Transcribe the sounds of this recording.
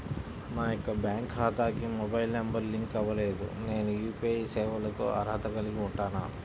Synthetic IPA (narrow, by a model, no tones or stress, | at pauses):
naːjɔkːɐbjaːŋkɦaːt̪aːkimɔbɐjlnɐmbɐɾliŋkɐʋɐle̞ːd̪ṵne̞ːnujuːpiɐjsɛːʋɐlɐkṵɐ̰ɾɦɐt̪ɐɡɐliɡiuɳʈaːna